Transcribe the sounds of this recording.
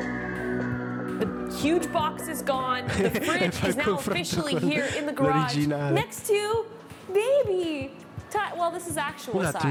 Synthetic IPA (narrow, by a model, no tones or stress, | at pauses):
ðɨ | hjʉd͡ʒbɑksɨzɡɔ̃n | fanaɔ̃əfɾfɪʃl̩ˠihiɹɪ̃nðɨɡɹəɾid͡ʒinanɛkstʰʉ | beɪbi | tʰawɛlˠðɪsɨzæk̚t͡ʃuwlˠ